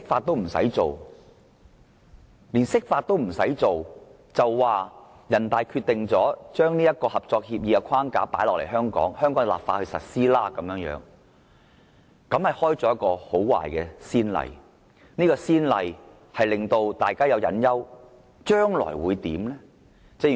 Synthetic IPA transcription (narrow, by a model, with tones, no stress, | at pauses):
sɪ˥k̚faː˧t̪̚ːo˥wm̩˨˩sɐ̰˨˥jt͡so˨w | liː˨˩nsɪ˥k̚faː˧t̚t̪ːo˥wm̩˨˩sɐ̰˨˥jt͡so˨w | t͡sɐ˨wːaː˨ | jɐ˨˩nt̪aː˨jkʰyː˧t̪ːɪ˨ŋt͡sɔː˨˥t͡ʃœː˥ŋniː˥jɐ˥t̚kɔː˧hɐ˨p̚t͡sɔː˧k̚hiː˧p̚jiː˧ɐ˧kʷʰwaː˥ŋkaː˨˥paː˨˥lɔː˨k̚le˨˩jɦœː˥ŋkɔ̰ː˨˥ŋhœː˥ŋkɔː˨˥ŋ˨wla̰ː˨p̚faː˧t̚hɵ˧sɐ̰˨t̚siː˥laː˥kɐ˨˦mjœː˨˥ŋjœ̰ː˨˥ŋ | kɐ˨˥mhɐ˨jhɔː˥jt͡sɔː˨˥˦jɐ˥t̚kɔː˧ho˨˥wwa̰ː˨˩jkɛː˧siː˥nlɐ̰˨˧j | niː˥kɔː˧siː˥nlɐ˧j | hɐ˨jlɪ˨ŋt̪o˧wt̪aː˨jkaː˥jɐ˨˧wjɐ̰˨˥njɐ˥w | t͡ʃœː˥ŋlɔ̰ː˨˩jwuː˨˧jt̪iː˨˥mlɛː˥ | t͡sɛ˧˥˨